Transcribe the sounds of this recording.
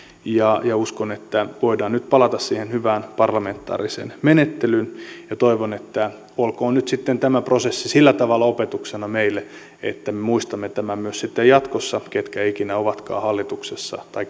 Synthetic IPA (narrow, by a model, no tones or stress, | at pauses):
jɑjɑuskonet̪ːæʋoidɑːnnyt̪pɑlɑt̪ɑssiːhenhyʋæːnpɑrlɑment̪ːɑ̰ːrisḛːnmenet̪ːelynjɑt̪oiʋonet̪ːæ | olkoːnnyt̪sit̪ːent̪æmæprosesːisilːæt̪ɑʋɑlːɑopet̪uksenɑmeilːe | ḛt̪ːæmemuist̪ɑmːet̪æmæmyøssit̪ːejɑt̪kosːɑket̪kæikinæoʋɑt̪kɑ̰ːhɑlːit̪uksesːɑ̰t̪ɑikː